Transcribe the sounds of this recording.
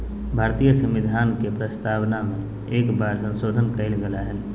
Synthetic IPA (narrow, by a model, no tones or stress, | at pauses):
bʱaːɾt̪ijəsə̃mɪd̪ʱaːnkepɾəst̪aːwnamẽ | eːkbaːɾsə̃nsoːd̪ʱənkəɪlɡəlaɦɛn